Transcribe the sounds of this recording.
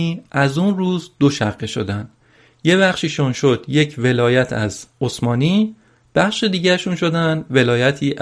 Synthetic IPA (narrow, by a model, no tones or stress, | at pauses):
iːæzunruːzd̪̥oʃæʁːeʃo̞̰d̪ænd̪̥ | je̞βæχʃiːʃunʃo̞d̪̥je̞cʰve̞lɒːjæt̪ʰæ̰zosmɒːniː | b̥æχʃed̪iːɟæeʃuːnʃo̞d̪ænd̪ve̞lɒːjæt̪ʰiːʔ